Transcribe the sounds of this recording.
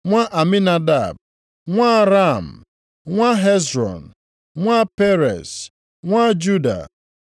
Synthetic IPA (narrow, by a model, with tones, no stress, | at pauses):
ŋʷa˦ʔa˨mi˦na˦da˦˨b̚ | ŋʷa˦ɾa˦˨m̩˨ | ŋʷa˦ɦe˦zɾɔ̰˨n̩˨ | ŋʷa˦pe˦ɾḛ˨s | ŋʷa˦d͡ʒu˦da̰˨